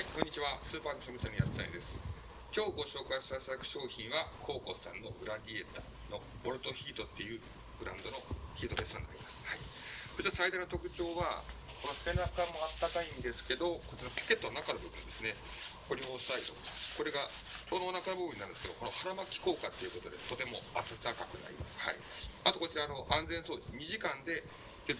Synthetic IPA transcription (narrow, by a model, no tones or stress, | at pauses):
haikoɲ̟ːit͡ɕiβasɨːpaːkɕomi̟sãɲ̟ːijat̪e̥t̪a̰ḭ̃nd̪esɨ̥ | kʲo̞ːɡo̞ɕo̞ːkaiɕi̥t̪at̪ad̪akɯ̟̥ɕo̞ːçĩβakʰo̞ːko̞sã̰nːo̞ɡɯ̟ɾad̪ʲie̞t̪aː | no̞bo̞ɾɯt̪oçiːt̪o̞t̪ːe̞jɯ̟ː | ɡ̥ɯ̟ɾã̰nd̪o̞no̞çiːt̪o̞best̪oãnːa̰ɾimasɨ̥haihot͡ɕiβasaid̪anot̪okɯ̟t͡ɕo̞ːβa̰ | ko̞no̞se̞nakamo̞at̪ːakaĩnd̪e̞sɨ̥ke̞d̪o̞ko̞t͡ɕiɾamko̥ke̞t̪ːoanakanobɯ̟bɯ̟̃nd̪e̞sɨne | ko̞ɾʲo̞ːsaid̪o̰ko̞ɾe̞ɡa | t͡ɕo̞ːd̪o̞ːnakano̞bɯ̟bɯ̟nːañd̪esɨked̪okonohaɾamakʲi̥ko̞ːkat̪ːe̞jɯ̟ko̞t̪o̞d̪e̞t̪o̞t̪e̞mo̞at̪at̪akakɯ̟na̰ɾʲḭma̰sɨ̥ha̰i | at̪o̞ko̞t͡ɕiɾaːno̞ʔãnzẽ̞ɰ̃so̞ːd̪esɨm̟iʑikãnd̪e̞ | ke